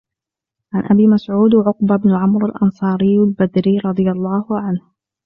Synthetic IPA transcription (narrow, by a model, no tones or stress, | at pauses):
ʕanʔabiːmasʕuːd̪ʕʊqbabnʊʕamɾalʔɑnsˤɑːɾɪjalbad̪ɾiːɾˤɑd̪ˤɨjɑlˤːɑːhʕanh